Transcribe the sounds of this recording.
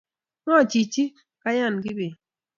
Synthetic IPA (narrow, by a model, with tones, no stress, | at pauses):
ŋɔ˦˨t͡ʃi˨t͡ʃi˦ | ka˦ja˦˨nɡɪ˦bi˨